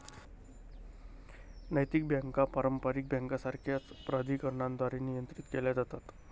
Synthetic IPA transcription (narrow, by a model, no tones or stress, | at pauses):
nəjt̪ik̚bʱjaŋkapaɾəmpaɾik̚bʱjaŋkasaɾkʰjat͡spɾad̪ʱiːkəɾɳãnd̪ʋaɾinijənt̪ɾit̪keljad͡zat̪at̪